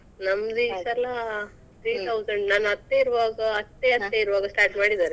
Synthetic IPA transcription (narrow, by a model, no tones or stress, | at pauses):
nɐmːɐd̪isɐla | t̪ɾiːt̪ʰɐwsɐɳɖnaːnɐt̪ːeiɾɐʋaːɡɐːt̪ːeɐt̪ːeiɾʋaːɡɐsʈaːɾʈmaːɽid̪aːɾe